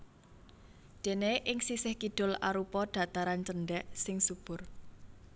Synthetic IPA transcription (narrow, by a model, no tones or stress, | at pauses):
d̪̥e̤neʔɪŋsisɪhkiɖ̪̥ʊ̤la̰ɾupɔɖ̪̥ä̤t̪aɾant͡ʃənɖɛʔsɪŋsub̥ʊ̤r